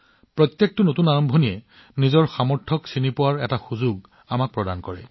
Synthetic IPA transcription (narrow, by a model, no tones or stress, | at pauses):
pɹɔt̪jek̚tʊnotunaɹɔmbʱɔnijɛ | nizɔɹxamɔɹtʰɔksinipʊwaɹɛtaxuzuɡ | amak̚pɹɔdankɔɹɛ̰